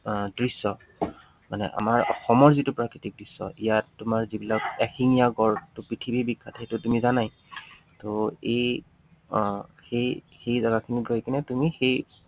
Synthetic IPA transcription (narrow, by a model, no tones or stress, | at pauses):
dɹisːɔ | manɛ̰ʔa̰maɹɔ̰xɔmɔɹzitʊpɹakɹitik̚dɹisːɔ̰ʔijatːʊmaɹzibilakɛxiŋijaɡɔɹtʊpɹitʰibʱibikʰːatʰetʊtumizanaj | toej | xej | xejzaɡakʰiniɡojkʰinɛtumixej